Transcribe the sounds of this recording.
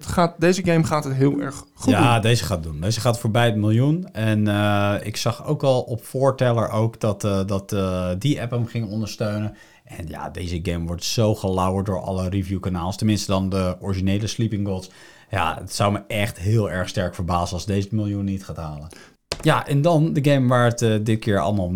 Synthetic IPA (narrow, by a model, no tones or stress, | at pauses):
χaːt̚dejzəɡejmχaːtɦətɦɪːlˠɛ̰ɹχχaddejzəχaːt̚dundejzəχaːtfoːɹbɛjətmɪlˠjunɛnɪ̰ksɑχowkɑlˠɔpfʊːɹtɛləɹʔowkdɑtdɑtdiʔɛpəmχɪŋnɔndəɹstøɥnən | ʔɛnja̰dejzəɡejmʋɔɹtsowχəlawəɹt̚dʊːɹɑ̰lərivjukanaːlˠstənmɪnstədɑndəɔɹiʒinejləslipɪŋɡos | ja̰ə̰tsawməʔɛχtɦɪːlˠɛɹχstɛɹkfəɹbaːzənɑlˠzdejzətmɪlˠjunːitχaːtɦaːlən | jaʔɛndɑndəɡejmʋaːɹətədɪt̚kɪːɹɑ̰lˠmaːlˠ